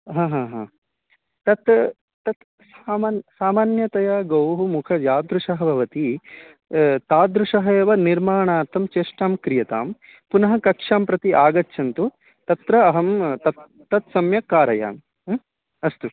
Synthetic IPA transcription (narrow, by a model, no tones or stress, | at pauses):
ɦãːɦãːɦãː | t̪ɐt̪ | t̪ɐt̪ | saːmaːnsaːmaːnjɐt̪ɐjaːɡɐwɦumukʰɐjaːd̪ɾuʂɐɦɐbʱɐʋɐt̪i | t̪aːd̪ɾuʂɐɦɐjɐʋɐniɾmaːɳaːɾt̪ɐmt͡ʃeːʂʈaːmkɾijɐt̪a̰ːm | punɐɦɐkɐkʂaːmpɾɐt̪iʔaːɡɐtːʃʰɐnt̪u | t̪ɐt̪ɾɐːɦɐmt̪ɐt̪ːɐt̪sɐmjɐkaːɾɐja̰ːn | ɐst̪u